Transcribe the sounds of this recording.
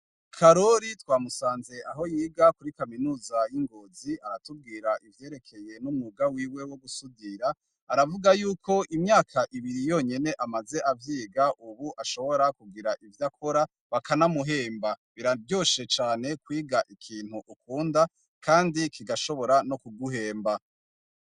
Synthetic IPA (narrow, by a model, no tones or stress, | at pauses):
kʰaɾo̞ɾitwaːmusaːnze̞aɦo̞jiːɡakuɾikaminuːzajiŋɡo̞ːziaɾatub̚ɡiːɾaʔivje̞ːɾe̞kʰe̞je̞numuɡawiːwe̞wo̞ɡusudiɾaː | ɾavuɡajuːkʰo̞ʔimɲaːkʰaʔiβiɾijo̞ɲe̞ne̞ʔamaze̞ʔavjiːɡaʔuβuʔaʃo̞βo̞ɾakuɡiɾaʔivjakʰoɾa | βakʰanamuɦe̞ːmbaβiɾavjo̞ʃe̞t͡ʃaːne̞kwiːɡaʔikʰiːn̥huʔukʰuːnda | kʰaːndikʰiɡaʃo̞βo̞ɾano̞kuɡuɦe̞ːmba